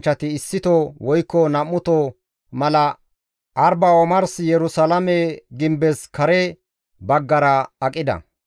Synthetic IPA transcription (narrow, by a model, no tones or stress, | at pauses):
t͡ʃːɐt̪ɪːsːɪt̪ɔwɔjkːɔnɐmːʊt̪ɔ | mɐlɐ | ʔɐɾbɐɔmɐɾsjɛɾʊsɐlɐmɛɡɪmbɛskɐɾɛ | bɐɡːɐɾɐɐkʼɪd̪ɐ̰